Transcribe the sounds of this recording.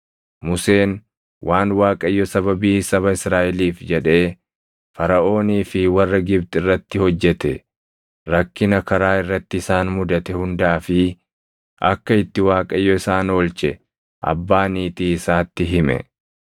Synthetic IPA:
mʊse̞ːn | wʔaːnwaːkʼɐjːɔsɐbɐbiːsɐβɐɪsɾaːʔɛliːfd͡ʒɛᶑe̞ː | fɐɾɐʔo̞ːniːfɪwɐrːɐɡɪbt̪ɪrːɐt̪ːɪhɔd͡ʒːɛt̪ɛ | ɾɐkːɪnɐkɐɾaːɪrːɐt̪ːɪɪsaːnmʊd̪ɐt̪ɛhʊnd̪aːfɪ | ʔɐ̰kːɐɪt̪ːɪwaːkʼɐjːɔɪsaːno̞ːlt͡ʃɛ | ʔɐ̰bːaːniːt̪iːɪsaːt̪ːɪɦɪmɛ̰

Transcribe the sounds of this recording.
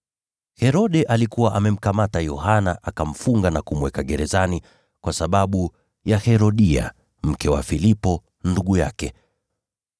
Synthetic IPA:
hɛɾɔɗɛʔalikuwaʔamɛm̩kamatajɔhanaʔakam̩fuŋɡanakumwɛkaɠɛɾɛzani | kwasaɓaɓu | jahɛɾɔɗia̰ | m̩kɛwa̰filipɔ | nduɠuja̰kɛ

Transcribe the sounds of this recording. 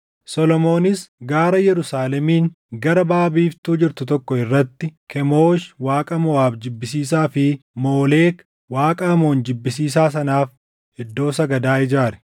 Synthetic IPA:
sɔlɔmoːnɪsɡaːɾɐjɛɾʊsaːlɛmiːŋ | ɡɐɾɐbaːbiːft̪uːd͡ʒɪɾt̪ʊt̪ɔkːɔɪrːɐt̪ːɪkʰɛmo̞ːʃwaːkʼɐmɔwaːbd͡ʒɪbːɪsiːsaːfɪmo̞ːle̞ːk | waːkʼɐɐmo̞ːnd͡ʒɪbːɪsiːsaːsɐnaːf | ɛd̪ːo̞ːsɐɡɐd̪aːɪd͡ʒaːɾɛ̥

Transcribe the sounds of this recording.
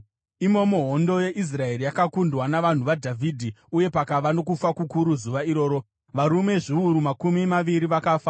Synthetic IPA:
imo̞moɦo̞ndo̞je̞ʔis̬rae̞ɾijakakundwanaʋan̤uʋadʱavʱidʱiuje̞pakaʋano̞kufakukuɾuzuʋaiɾo̞ːɾo̞ | ʋaɾume̞ʐiuɾumakumimaʋiɾiʋakaːfa

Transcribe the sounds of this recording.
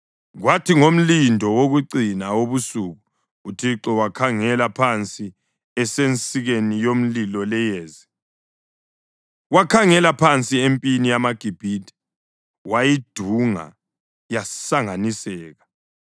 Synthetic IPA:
ɣwatʰiŋom̩lindʱɔwoɣuǀinaoβusuɣuː | tʰiǁɔwakʰaŋɛlapʰant͡sʼi | ɛsent͡sʼiɣenijom̩lilɔlɛjeːzi | wakʰaŋɛlapʰant͡sʼiempʼinijamaɡ̥ʱib̥ʱiːd̥ʱɛ̥ | wajid̥ʱuŋa̰ | jasaŋanisɛːɣa

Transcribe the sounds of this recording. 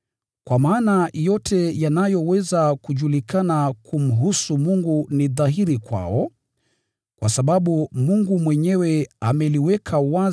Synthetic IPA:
kwamaːnajɔtʰɛjanajɔwɛzakuʄulikanakʰum̩ɦusumuŋɡuniðaɦiɾikwa̰ɔ | kwasaɓaɓumuŋɡumwɛɲɛwɛamɛliwɛkʰawa

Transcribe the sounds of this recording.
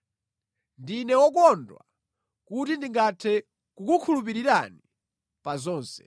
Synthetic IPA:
ndinɛwɔkɔndwa̰ | kutindiŋɡatʰɛ | kukukʰulup̬iɾiɾa̰ni | pazɔːnsɛ̰

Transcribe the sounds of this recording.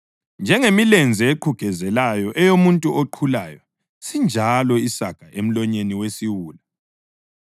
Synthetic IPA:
nd͡ʒʱɛŋemilɛnd͡zʱɛeǃʰuɡ̥ʱɛzɛlajɔʔɛjomuntʼuoǃʰulaːjɔ | sind͡ʒʱalɔisaɡ̥ʱaʔem̩lɔɲeniwesiwuːla

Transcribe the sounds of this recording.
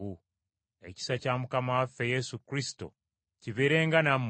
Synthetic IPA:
u | e̞̰ci̥sacamukamawafejesukɾisto̰ | ciβeːɾeːŋɡanamː

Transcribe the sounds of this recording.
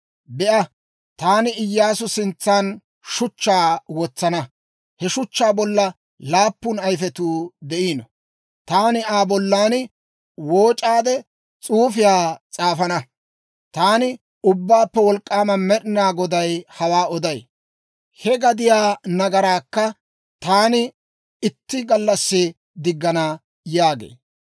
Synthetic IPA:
bɛʔɐ | t̪aːnɪɪjːaːsʊsɪnt͡sːaːn | ʃʊt͡ʃːaːwɔt͡sːɐnɐ | hɛʃʊt͡ʃːaːbɔlːɐ | laːpːʊnɐjfɛt̪uːd̪ɛʔiːnɔ | t̪aːnɪaːbɔlːaːnɪ | woːt͡ʃʼaːd̪ɛ | t͡sʼuːfɪjaːt͡sʼaːfɐnɐ | t̪aːnɪ | ʊbːaːpːɛwɔlkʼːaːmɐmɛɗɪnaːɡɔd̪ɐjhɐwaːɔd̪ɐj | hɛɡɐd̪ɪjaːnɐɡɐɾaːkːɐ | t̪aːnɪ | ɪt̪ːɪɡɐlːɐsːɪ | d̪ɪɡːɐnɐ | jaːɡḛː

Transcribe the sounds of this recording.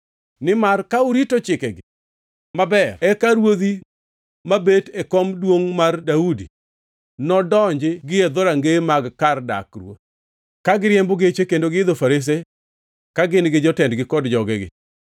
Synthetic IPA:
nɪmarkauɾitot͡ʃɪkɛɡɪ | mabɛrɛkaɾwod̪i | mabetekɔmdwoŋmardaudḭ | nɔdɔɲd͡ʒɪɡɪɛd̪ɔɾaŋɡemaɡkarda̰krwo̰t̚ | kaɡɪɾjɛmboɡet͡ʃekendoɡɪɪd̪ofaɾes̬e | kaɡɪnɡɪd͡ʒɔtɛndɡɪkɔdd͡ʒɔɡɛɡɪ̰

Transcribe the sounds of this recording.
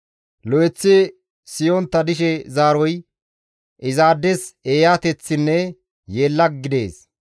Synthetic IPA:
lɔjɛt͡sːɪ | sɪjɔnt̪ːɐd̪ɪʃɛzaːɾɔj | ʔɪzaːd̪ːɛseːjaːt̪ɛt͡sːɪnːɛ | jeːlːɐɡɡɪd̪e̞̰ːs

